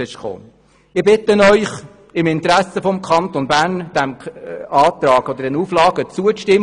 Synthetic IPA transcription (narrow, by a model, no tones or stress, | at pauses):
ɪʃko̰ː | ɪbɪt̪ːənœʏχ | ɪmɪnt̪ɾæsəfɔmkʰχɑntonbæːɾnd̥æmɑːt̪rɑːɡɔd̪əɾdɛnuflɑːɡ̥ət͡suəʃtɪm